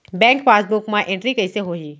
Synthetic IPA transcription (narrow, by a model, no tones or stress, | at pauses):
bɛ̃ːŋkfaːsbʊkmãʔɪ̃ɳʈɾikɐɪseɦoːɦiː